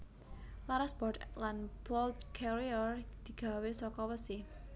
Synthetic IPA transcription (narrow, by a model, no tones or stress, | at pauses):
laɾasb̥ɔrdlanbɔld̪kʰɛɾiɔrd̪̥i̤ɡ̥ä̤wesɔkɔwəsi